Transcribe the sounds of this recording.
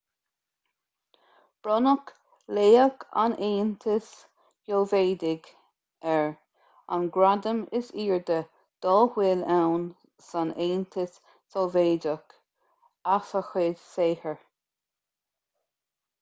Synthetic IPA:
b̥ɾɔnək | leːəkʰa̰neːnt̪ʰɪs | jolveːd̪ɪɡ | ɛɹ | a̰nɡɾad̪əmɪsiːɹd̪ə | d̪̥ɔːhwɪlɛwn | saneːnt̪ʰɪsː | ɔlveːd͡ʒək | asəxɪdseːhəɹ

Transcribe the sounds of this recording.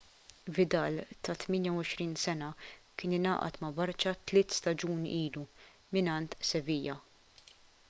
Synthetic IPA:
vɪd̪ɐːlt̪ɐt̪mɪːnjɐwɔʃɾiːnsɛnɐkɪːnɪnɐ̰ːʔɐ̰t̪mɐbɐɾt͡ʃɐt̪lɪːt̪st̪ɐd͡ʒuːniːlu | mɪnɐnt̪sɛviːjɐ

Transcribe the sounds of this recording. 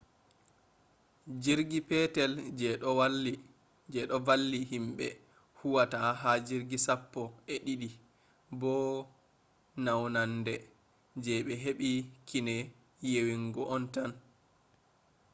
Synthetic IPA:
d͡ʒiɾɡipɛtɛld͡ʒɛw | d͡ʒɛɗɔvalːihimɓɛ̰ | huwataɦad͡ʒiɾɡisapːɔɛɗiɗi | bɔ | nawnandɛ | d͡ʒɛɓɛɦeɓikʰinɛ | jewiŋɡɔʔɔntan

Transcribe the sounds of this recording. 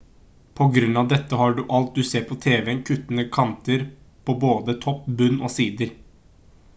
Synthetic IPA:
pʰɔɡɾʉnːɑʋd̪ɛt̪ːəɦɑːɖʉʔɑlt̪̚d̪ʉseːɾpʰɔt̪ʰeːʋɛnkʰʉt̪ːənəkʰɑnt̪əɾ | pʰɔboːd̪ət̪ʰɔpːbʉnːɔːsiːd̪əɾ

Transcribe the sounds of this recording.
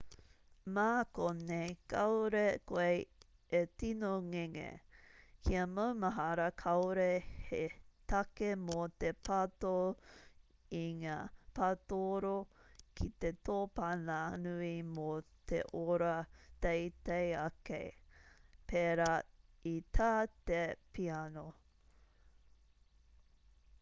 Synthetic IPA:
maːkonejkʰɐwɾekoej | etinoŋeŋḛkʰiɐmɐwmɐɦɐɾɐkʰɐwɾehet̪ɐkemot̪epʰato | iŋaːpatoɾokʰit̪et̪oːpananuimot̪ḛʔoɾɐt̪ejt̪ejɐkḛj | pʰeɾait̪ʰaːt̪epʰiano

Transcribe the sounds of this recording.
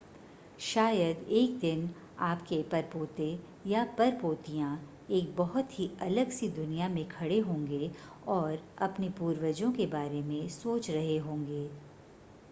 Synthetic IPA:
ʃaːjəd̪eːk̚d̪ɪn | aːpkepɐɾpoːt̪e | japɐɾpoːt̪ijã | eːk̚bɐɦʊt̪ɦiɐləɡsid̪ʊnijamẽkʰɐɽeɦõːŋɡe | ɔːɾɐpnepuːɾwəd͡ʒõkebaːɾemẽsoːt͡ʃɾɐɦeɦõːŋɡeː

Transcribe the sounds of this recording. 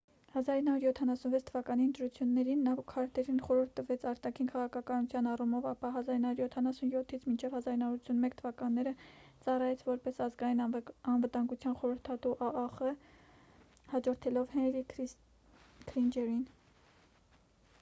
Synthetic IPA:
hɑzɑɾinɑhuɾjɔt̪ʰːɑnɑsunvɛt͡sʰt̪ʰəvɑkɑniənt̪ɾut͡sʰjunːɛɾinːɑkʰɑɾt̪ʰɛɾinχɔɾuɾt̪ʰːəvɛt͡sʰɑɾt̪ɑkʰinkʰɑʁɑkʰɑkɑnut͡sʰjɑnɑrumɔvɑpɑɦɑzɑɾinɑhɾuɾjɔt̪ʰɑnɑsunjɔt̪ʰːit͡sʰmint͡ʃʰɛvhɑzɑɾinɑuɾut͡sʰunmɛkt̪ʰəvɑkɑnːɛɾət͡sɑrɑjɛt͡sʰvɔɾpɛsɑzɡɑjinɑnvət̪ɑŋɡut͡sʰjɑnχɔɾəɾt̪ʰɑt̪uʔɑɑχə | hɑd͡ʒɔɾt̪ʰɛlɔvhɛnɾi | kʰlind͡ʒɛɾin

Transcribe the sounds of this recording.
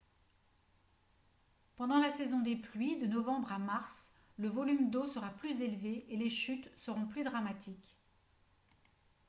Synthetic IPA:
pɑ̃d̪ɑ̃lasɛzɔ̃d̪eplɥid̪ənɔvɑ̃bʁamaʁs | ləvɔlymd̪osəʁaplyzelveeleʃyt̪səʁɔ̃plyd̪ʁamat̪ʰik

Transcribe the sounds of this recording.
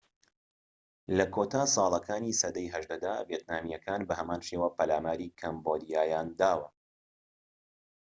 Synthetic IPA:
lɐkʰoːt̪aːsˤɑːlˠɐkaːniːsɐd̪ɐjɦɐʒd̪ɐd̪aːveːt̪naːmijɐkaːnbɐhɐmaːnʃeːwaːpɐlaːmaːɾiːkʰɐmboːd̪ijaːjaːnd̪aːwɐ

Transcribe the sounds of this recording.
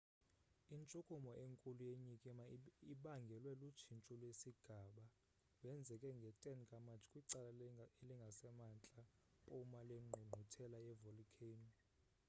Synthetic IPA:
int͡ʃʼukʼumɔʔeŋkʼulujeɲikʼɛmaiɓaŋɡʱɛlwɛlut͡ʃʰint͡ʃʼulwesiɡ̥ʱaɓa | wɛnd͡zʱɛkʼɛŋɡʱɛtʼɛnkʼamat͡ʃʰʼi̥kʼwiǀalaeliŋɡʱasɛmant͡ɬʼa | pʼumaleŋ͡ǃʱuŋ͡ǃʱutʰɛlajɛvolikʰen

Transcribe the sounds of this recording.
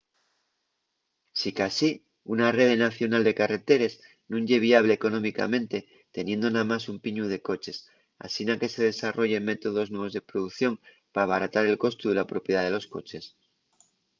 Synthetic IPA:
sikasi | unare̞ðenaθjo̞nald̪e̞kare̞t̪e̞ɾez | nũnʝe̞β̞iaβ̞le̞ːko̞nõ̞mika̰mẽ̞nt̪e̞ | t̪e̞nje̞nd̪onamasumpiɲuð̞e̞ko̞t͡ʃe̞s | a̰sinake̞se̞ð̞e̞saro̞ʝe̞me̞t̪o̞ð̞o̞znwe̞βozðe̞pɾoðuθjo̞m | paaβ̞aɾat̪aɾe̞lko̞st̪uðe̞lapɾo̞pjeðaðe̞lo̞sko̞̰t͡ʃe̞s

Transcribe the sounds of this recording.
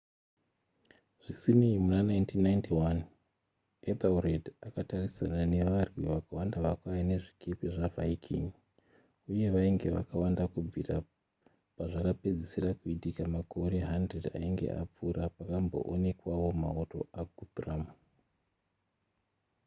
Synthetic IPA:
ʐ̥isineimunanajntʰinːajntʰiwan | ed̪auredakatarisanane̞ʋarwiʋakawandaʋakwajane̞ʐikʰepiʐavaikʰḭŋ | uje̞ʋaiŋɡe̞ʋa̰kawandakub͡vira | paʐakape̞d͡zesirakuitikamako̞ɾe̞ɦandreda̰iŋɡe̞̰ʔa̰p͡fuɾapakambo̞̰ʔone̞kwaʋo̞ma̰oto̞̰aɡʱudrama

